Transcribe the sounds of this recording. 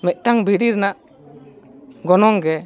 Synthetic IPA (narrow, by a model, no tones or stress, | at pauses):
mɛʔ̪̚ˀʈaŋbʱiɖiɾnaʔ | ɡɔnɔŋɡɛ